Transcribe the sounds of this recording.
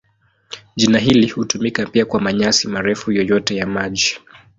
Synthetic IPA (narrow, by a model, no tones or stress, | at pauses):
ʄinaɦilihutumikapiakwamaɲasimaɾɛfujɔjɔtɛjamaʄi